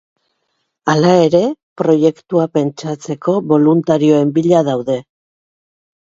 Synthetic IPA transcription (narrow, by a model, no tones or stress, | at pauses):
alae̞ɾe̞pɾo̞je̞kt̪uape̞nt͡ʃat͡se̞ko̞βo̞lunt̪aɾio̞e̞mbiʎað̞awðe̞